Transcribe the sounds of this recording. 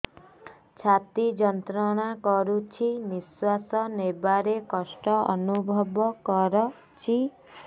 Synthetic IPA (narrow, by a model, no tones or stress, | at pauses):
t͡ʃʰat̪id͡ʒɔnt̪ɾɔɽ̃akɔɾut͡ʃʰiniswasɔnebaɾekɔsʈɔɔnubʱɔbɔkɔɾɔ | t͡ʃʰi